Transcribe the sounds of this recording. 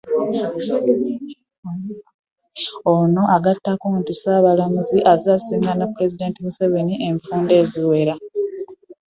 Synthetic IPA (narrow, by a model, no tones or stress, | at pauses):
ono̞ʔaɡatːakontisaːβalamuziʔazaːsiːŋɡanapːuɾe̞zide̞ntimuseβeniʔe̞ɱfuːnde̞ːziwe̞ɾa